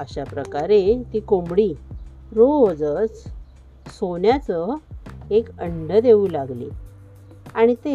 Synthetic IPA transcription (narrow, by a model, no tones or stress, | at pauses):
əɕapɾəkaɾet̪iːkombɽiː | ɾod͡zət͡s | sonjat͡sə | ekəɳɖəd̪eʋuːlaɡlḭ | aɽ̃it̪e